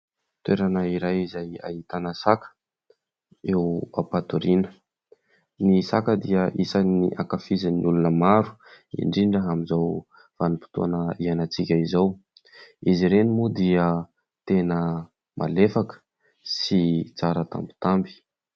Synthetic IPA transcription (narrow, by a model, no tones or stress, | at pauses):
t̪weɾanəiɾajizaja̰ɦit̪anəsakə̥ | ewa̰pat̪uɾinə̥ | nisakəd̪iəʔisanḭʔakafizaniulunəmaɾu̥ḭɳɖ͡ʐiɳɖ͡ʐəɦamizaw | v̥anipi̥t̪oanəianat͡sikʲəizaw | iziɾenimud̪iə | t̪enə | mʔa̰lefakə̥ | sit͡saɾət̪a̰mbu̥t̪ambi̥